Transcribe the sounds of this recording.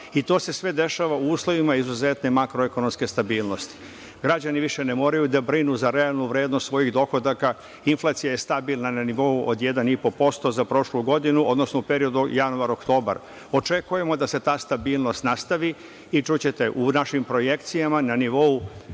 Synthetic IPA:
it̪o̞ːse̞sʋe̞d̪e̞ʃaːʋauuːslˠo̞ʋimaizuze̞t̪ne̞makɾoeko̞no̞mske̞st̪abiːlˠno̞st̪i̥ | ɡɾad͡ʑaniʋiʃe̞ne̞mo̞ːɾajud̪abɾinuzaɾealˠnuʋɾe̞ːd̪nost̪sʋo̞jiɣd̪o̞xo̞d̪aka | inflˠaːt̪sijaje̞st̪abilˠnananiʋo̞uʔo̰d̪jed̪anipo̞po̞st̪o̞zapɾo̞ʃluɡo̞d̪inuʔo̞d̪no̞snoupe̞ɾio̞d̪ujanuaɾo̞kt̪o̞ːba̰ɾ | o̞t͡ʃe̞kuje̞mo̞d̪ase̞t̪aːst̪abiːlˠno̞st̪nast̪aʋi | it͡ʃut͡ɕe̞t̪e̞ʔunaʃimpɾo̞je̞kt̪sijamananiʋo̞u

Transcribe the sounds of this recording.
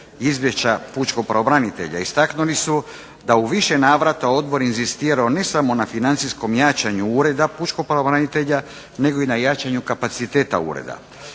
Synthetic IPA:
izʋjeʃt͡ɕaput͡ʃko̞pɾaobɾanit̪e̞̰ʎa̰ist̪aknulisu | d̪auʋiʃe̞naːʋɾat̪ao̞d̪bo̞ɾinzist̪iːɾaone̞samo̞nafinant̪sisko̞mjaːt͡ɕaɲuuːɾe̞d̪aput͡ʃko̞pɾaobɾanit̪e̞ʎa | ne̞ɡo̞inajat͡ʃaɲukapat̪sit̪e̞ːt̪a̰ṵːɾḛd̪a̰

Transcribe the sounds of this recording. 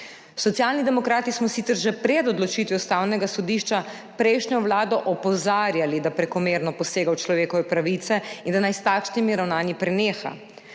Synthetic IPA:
sɔt̪sjalnid̪ɛmɔkɾaːt̪ismɔsit̪ɛɾʒɛpɾɛd̪ɔd̪lɔt͡ʃit̪ʋjust̪aːwnɛɡasɔd̪iʃt͡ʃa | pɾɛjʃɲʲɔʋlaːd̪ɔʔɔpɔzaːɾjalid̪apɾɛkɔmeːɾnɔpɔseːɡawt͡ʃlɔʋeːkɔʋɛpɾaʋit̪sɛind̪anajst̪aːkʃnimiɾawnaːnipɾɛneːxa̰

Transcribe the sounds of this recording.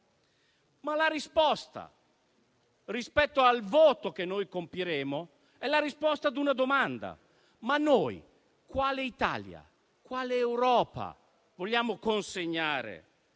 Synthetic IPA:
malaɾispɔst̪a̰ | rispɛt̪ːoalvoːt̪ok̟enːoːjkompiɾeːmo | ɛlaɾispɔst̪ad̪unad̪omand̪a̰ | manːoːj | kwaːleit̪a̰ːlja̰ | kwaːleːwɾɔːpa̰ | voʎːjaːmokonseɲːaːɾḛ

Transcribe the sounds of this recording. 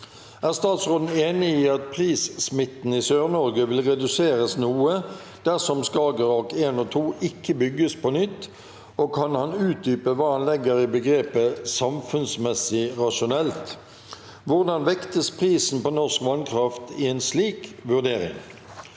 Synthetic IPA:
æːʁst̪ɑːt̪sʁoːd̪n̩eːnɪiːɑt̪̚pʰʁiːssmɪt̪n̩isøːʁnɔʁɡəʋɪlʁɛd̪ʉseːʁəsnuːə | d̪̥æʁsɔmskɑːɡəʁɔkeːnɔːt̪ʰuːɪkʰːəbʏɡːəspʰɔnʏt̪ː | oːkʰɑnhɑnʉːt̪̚d̪yːpəʋɑːhɑnlɛɡːəʁɪbəɡʁeːpəsɑmfʉnsmɛsɪʁɑʂʊnɛlt̪ | ʋʊʁd̪ɑnʋɛkt̪əspʰʁiːsn̩pɔnɔʁskʋɑnkʰʁɑft̪ɪɛnsliːkʋʉʁd̪eːʁɪ̰ŋ

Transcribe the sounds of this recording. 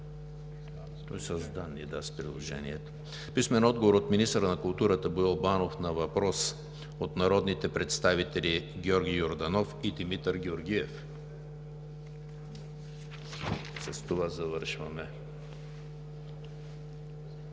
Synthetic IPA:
t̪ɔjsəzd̪anːid̪aspɾilˠo̰ʒɛ̰nḭɛt̪o̥ | pismɛnɔd̪̚ɡovoɾot̪minist̪əɾənɐkʊlˠt̪uɾət̪əboɛlˠbanofnɐvɐpɾɔs | ot̪nɐɾɔd̪nit̪ɛpɾɛt̪st̪avit̪ɛlʲiɡʲɔɾɡʲijoɾd̪ɐnɔfid̪imit̪əɾɡʲioɾɡʲiɛf | sɐst̪ovazɐvɤɾʃvɐmɛ

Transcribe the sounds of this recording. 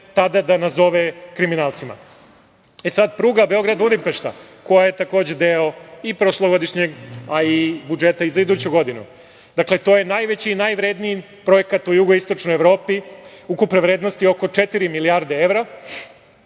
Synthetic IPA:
t̪ad̪ad̪anazo̞ʋekɾiminaːlt̪sima̰ | esad̪pɾuːɡabeo̞ɡɾad̪ulimpeʃt̪a̰ | ko̞jaje̞t̪ako̞ːd͡ʑe̞d̪eoipɾoʃlˠoɡo̞d̪iʃɲeɡaibud͡ʒet̪aizaid̪uːt͡ɕuɡo̞d̪inṵ | d̪̥akle̞t̪o̞je̞najʋet͡ɕiːnajʋɾeːd̪nii | pɾo̞je̞kat̪ujuɡo̞ist̪o̞t͡ʃno̞jeʋɾo̞ːpi | ukupneʋɾed̪no̞st̪io̞ko̞t͡ʂet̪iɾimiliaɾd̪ee̞ʋɾa

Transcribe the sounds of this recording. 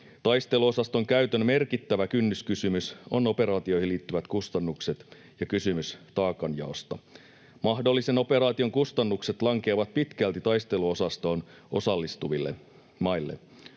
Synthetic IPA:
t̪ɑjst̪e̞luo̞sɑst̪o̞ŋkæyt̪ønme̞rkit̪ːæʋækynːyskysymyso̞nope̞ɾɑːt̪io̞ihiliːt̪ːyʋæt̪kust̪ɑnːukset̪ | jɑkysymyst̪ɑːkɑnjɑ̰ost̪ɑ | mɑɦdo̞lːiseno̞pe̞ɾɑːt̪io̞ŋkust̪ɑnːukset̪lɑŋk̟eːʋɑt̪̚pit̪kælt̪it̪ɑjst̪e̞luosɑst̪o̞ːn | o̞̰sɑlːist̪uʋilːe | mɑilːḛ

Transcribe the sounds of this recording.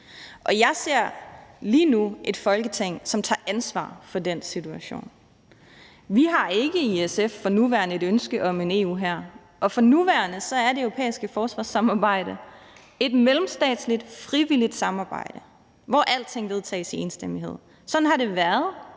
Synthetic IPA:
ʔɒ̽jɑ̈ɪse̝ɐ̰liːnuʔe̝d̥fɒ̽lɡ̥ət͡sʰeŋ̰sɒ̽mt͡sʰɑ̰̈ːʔænsʋɑ̰̈ːfɒ̽densit͡sʰuæɕo̝̰ːn | ʋiɦɑ̈e̝ɡ̥əiesefːɒ̽nuʋæɐnəe̝ɾønsɡ̥əʔɒ̽me̝ne̝̰ːṵːɦæɐ̰ | ʔɒ̽fɒ̽nuʋæɐnəsɒ̽æɐd̥e̝øʊʁo̝pʰḛːisɡ̥əfɒːsʋɑ̈ːsɑ̈mɑ̈ːb̥ɑ̈ɪ̰d̥ə | e̝d̥melm̩sd̥ɛ̰ːd̥slid̥fʁiʋilid̥sɑ̈mɑ̈ːb̥ɑ̈ɪ̰d̥ə | ʋɒʔæl̰d̥t͡sʰe̝ŋ̰ʋe̝ð̞ˠt͡sʰɛ̰ːɪse̝ːnsd̥emiɦe̝ð̞̰ˠ | sɒ̽d̥n̩ɦɑ̈ɾe̝ʋæɐð̞ˠ

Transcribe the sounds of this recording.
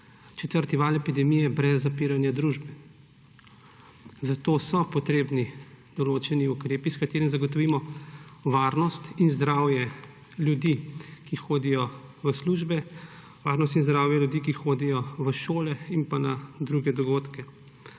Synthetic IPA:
t͡ʃɛt̪əɾt̪iʋaːlɛpid̪ɛmijɛbɾɛzːapiːɾanjad̪ɾuʒbɛ | zat̪oːsɔpɔt̪ɾeːbni | d̪̥ɔloːt͡ʃɛniukɾeːpiskat̪eːɾɛmzaɡɔt̪ɔʋiːmɔʋaːɾnɔst̪inzd̪ɾaːwjɛ | lʲjud̪ikixoːd̪ijɔʋəsluːʒbɛ | ʋa̰ːɾnɔst̪inzd̪ɾaːwjɛljud̪iːkixoːd̪ijɔʋəʃoːlɛinpanad̪ɾuɡɛd̪ɔɡoːt̪kɛ

